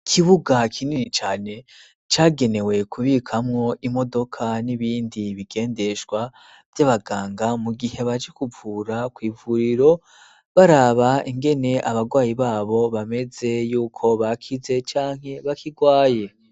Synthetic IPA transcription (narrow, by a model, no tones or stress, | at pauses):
kʰiβuɡakʰininit͡ʃaːne̞ | t͡ʃaːɡe̞ne̞we̞kʰuβiːkʰamŋo̞ʔimo̞do̞kʰaniβiːndiβiɡe̞ːnde̞ʃɡwa | vjaβaɡaːŋɡamuɡihe̞βad͡ʒekuvuːɾakwiːvuɾiɾo̞ | βaɾaβaiŋɡe̞ne̞ʔaβaɡwaːjiβaːβo̞βame̞ze̞juːkʰo̞βakʰize̞t͡ʃaːŋ̥he̞βakʰiɡwaːje̞